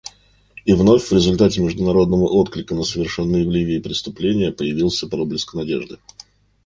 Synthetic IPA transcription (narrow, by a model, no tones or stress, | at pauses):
ivno̞fʲvɾʲɪzʊlʲt̪atʲɪmʲɪʐd̪ʊnɐɾo̞d̪nəvəʔo̞t̪klʲɪkənəsəvʲɪrʂɛnːəjvlʲivʲɪːpɾʲɪst̪ʊplʲenʲɪjəpəjɪvʲilˠsʲəpɐɾoblʲɪskənɐdʲḛʐd̪ɨ